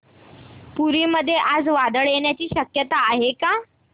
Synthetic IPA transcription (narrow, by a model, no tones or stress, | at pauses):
puɾiːməd̪ʱːjeʔad͡zʋad̪əɭjeɳjat͡ɕiːɕəkjət̪aːɦeka